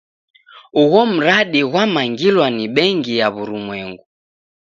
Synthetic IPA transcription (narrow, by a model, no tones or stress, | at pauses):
uɣɔm̩ɾaɗiɣwamaŋɡilwaniɓɛŋɡijaβuɾumwɛŋɡu